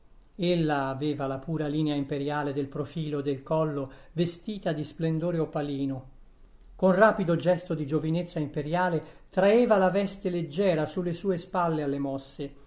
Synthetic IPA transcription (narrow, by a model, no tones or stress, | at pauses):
elːaːveːvalapuːɾaliːneaimpeɾjaːled̪elpɾofiːlod̪elkɔlːovest̪iːt̪ad̪isplend̪oːɾeopːaliːno | konraːpid̪od͡ʒɛst̪od̪id͡ʒovinet̪sːaimpeɾjaːle | t̪ɾaeːvalavɛst̪eled͡ʒːɛːɾasulːesuːespalːealːemɔsːe